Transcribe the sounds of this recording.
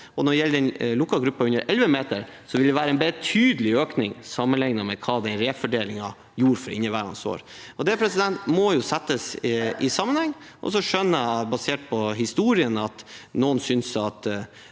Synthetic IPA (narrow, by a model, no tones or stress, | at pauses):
ɔnɔɖɛjɛlːəɾɛnlʊkːɑlɡɾʉpːɑʉnːəɾʔɛlʋəmeːt̪əɾ | sɔʋɪld̪ɛʋæːɾəɛnbeɾət̪ʰyːd̪əlɪøːknɪŋsɑmːənlɪŋnəmɛkʰɑːd̪ɛnɾeːfɔɖeːlɪŋɑ | juːɾfɔɾɪ̰nːəʋæːɾɑ̰nso̰ːɾɔd̪ɛpʰɾɛsɪd̪ɛnt̪mɔjʊsɛt̪ːəsʔɪsɑmənhɛŋːʔɔ̰sɔʂœnːəæbɑseːʈ̚pʰɔɦɪst̪uːɾɪənɑt̪noːnsʏnsɑt̪